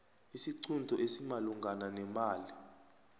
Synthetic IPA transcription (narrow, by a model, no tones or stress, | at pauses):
isiǀʰundʱɔʔesimaluŋɡananɛmaːli